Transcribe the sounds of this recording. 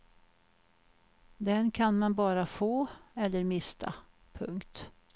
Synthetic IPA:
d̪ɛnkʰanmanbɑːɾafoːɛlːəɾmɪst̪ʰa̰ | pʰɵ̰ŋkt̪

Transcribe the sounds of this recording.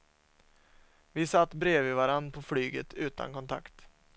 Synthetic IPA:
vɪsat̪ːbɾeːvɪvaɾanpʰɔflyːɡət̪ʰʉ̟ːt̪a̰nkɔnt̪ʰa̰kt̪

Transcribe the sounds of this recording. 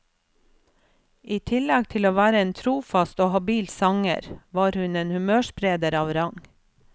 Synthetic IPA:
ʔiːt̪ʰɪlɛɡt̪ʰɪloːʋæːɾəeːnt̪ʰɾuːfɑst̪oːhɑbiːlsɑŋə̰ɾʋɑːɾhʉneːnhʉmøːʃpɾeːd̪əɾɑːʋɾɑŋ

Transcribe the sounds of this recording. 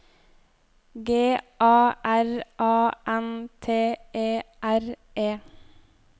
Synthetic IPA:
ɡeːʔɑːʔæɾʔɑːʔɛnt̪ʰeːʔeːʔæɾ | ʔeː

